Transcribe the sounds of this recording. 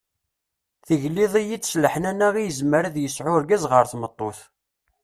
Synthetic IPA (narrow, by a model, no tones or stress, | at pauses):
θəʝliðˤijit͡sːsləħənænæʁijəzməɾðjəsʕʊɾɡæzʁəɾθmət̪ˤːoθ